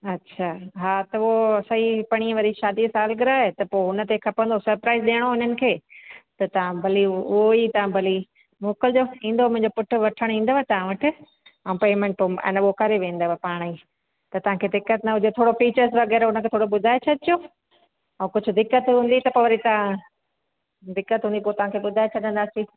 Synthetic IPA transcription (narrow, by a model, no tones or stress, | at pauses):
ɐtːɕʰaːɦaːt̪ɐʋosɐɦipɐɽ̃iə̃ʋɐɾiʃaːd̪isaːlɡɪɾaːɦet̪ɐpoːɦʊnə̆t̪ekʰɐpə̃nd̪osɐɾpɾaːɪzɗeːɽ̃oɦʊɲənɪ̆kʰeːt̪ɐt̪ɐʋ̤ãbʱɐliʊɦoit̪ɐʋãbʱɐli | moːkəld͡ʑoːĩːn̆d̪omʊ̃ɦɪ̃ɲd͡ʑopʊʈʰʊ̆ʋɐʈʰəɽ̃ĩːn̆d̪oːat̪ɐʋ̤ãʋɐʈʰɪ̆ | ɐ̃mpoːmẽɳʈpoɛ̰̃ːnɓoːkaɾeʋẽːnd̪oʋapaːɽ̃i | t̪ɐt̪ɐʋ̤ãkʰeːd̪ɪkːət̪nɐʊd͡ʑet̪ʰoːɽofiːt͡ɕəɾsʋɐɣɛːɾɦʊnə̆kʰeːt̪ʰoːɽoɓʊd̪ʱaːet͡ɕʰɐd̪ɪjoː | ɛ̃ːkʊd͡ʑʱʊ̆d̪ɪkːət̪ɦũːnd̪it̪ɐpoʋɐɾit̪ɐʋã | d̪ɪkːət̪ɦũːnd̪ipoːt̪ɐʋãkʰeːɓʊd̪ʱaːet͡ɕʰɐd̪ə̃n̆d̪aːsi